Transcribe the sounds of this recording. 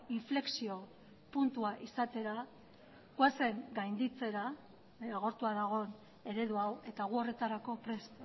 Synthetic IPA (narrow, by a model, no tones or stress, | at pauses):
iɱfle̞ksio̞ | punt̪uaʔisat̪e̞ɾa | kwase̞ŋɡajnd̪it͡se̞ɾa | aɣ̞o̞ɾt̪uaðaɣ̞o̞n | e̞ɾe̞ðuawe̞t̪aɣ̞uo̞re̞t̪aɾako̞pɾe̞s